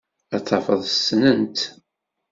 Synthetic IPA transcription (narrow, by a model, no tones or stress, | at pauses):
æt͡sˤːɑfəðˤəsːnənt̪